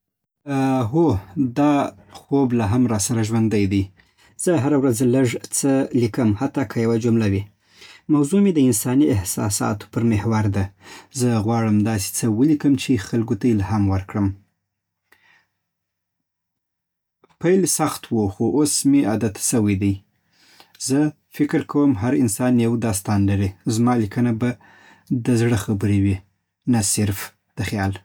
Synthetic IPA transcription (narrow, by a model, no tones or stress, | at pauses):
ɦod̪ɑ | xoblaɦamɾɑsaɾaʒwand̪əjd̪əj | z̥əɦaɾawɾazləʐt͡səlikəmhat̪ːɑkʰajawad͡ʒumlawi | mawzumed̪əɪnsɑniɪhsɑ̰sɑ̰t̪o̥pəɾmehwaɾd̪azəɣwɑɽəmd̪ɑs̬e̥t͡səwəlikəmt͡ʃexalɡot̪ajelaɦamwəɾkɽəm | pajlsaxt̪woxoʔosmead̪at̪səwəjd̪aj | zə | fɪkɾkʰawəmɦaɾɪnsɑnjawd̪ɑs̬t̪ɑnlaɾezmɑlikənaba | d̪əzɽəxabəɾewi | nasɪɾf | d̪̥əxjɑl